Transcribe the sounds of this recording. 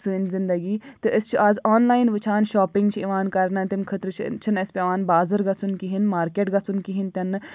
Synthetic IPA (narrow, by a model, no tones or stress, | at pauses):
sɨnzɪnd̪ɐɡiːt̪ɨəst͡ʃʰuʔaːzɔːnlaːjinʋɨt͡ʃʰaːnʃɔːpɪŋɡt͡ʃʰiiʋaːnkɐɾnɐt̪imkʰət̪ɾt͡ʃʰt͡ʃʰɨnɐspʲeʋaːnbaːzəɾɡɐsʰunkiɦinmaːɾkeːʈɡɐsunkiɦint̪ʲɐnː